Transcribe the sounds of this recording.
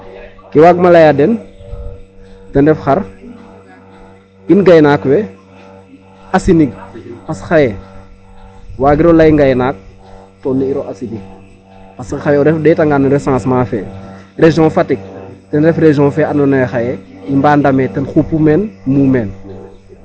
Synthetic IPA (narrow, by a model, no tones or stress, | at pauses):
kiwaɡ̚malajadɛn | tɛndɛfxaɾ | inɡajnaːkwɛ | asiniɡ̚pasxajɛ | waːɡiɾolajiŋɡajnaːk̚ | tonːiiɾoʔasiniɡ̚ | pasxajɛɔɾɛfdɛtaŋɡanɾesãːsmaːfɛ̰ːɾeʒiɔ̃nfatik̚tɛnɾɛfɾeʒiɔ̃ːfɛːanonajxajeimbaːndametɛnxupːumenmumeːn